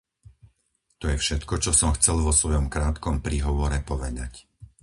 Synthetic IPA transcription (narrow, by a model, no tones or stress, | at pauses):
t̪ɔjɛfʃɛt̪kɔt͡ʃɔsɔmxt͡sɛlʋɔsʋɔjɔmkɾaːt̪kɔmpɾiːɦɔʋɔɾɛpɔʋɛd̪a̰c